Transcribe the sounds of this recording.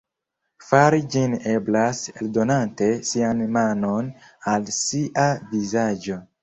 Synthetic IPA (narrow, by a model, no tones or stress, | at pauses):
faɾid͡ʒine̞blaseldo̞nante̞sianmano̞nalsiʔavizad͡ʒo̞